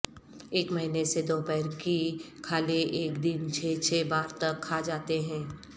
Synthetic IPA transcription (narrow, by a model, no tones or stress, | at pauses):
eːkmɐɦinesed̪oːpɛːɾki | kʰaːleʔeːkd̪ɪnt͡ʃʰeːt͡ʃʰeːbaːɾt̪ɐkʰːaːd͡ʒaːt̪eɦɛ̃ː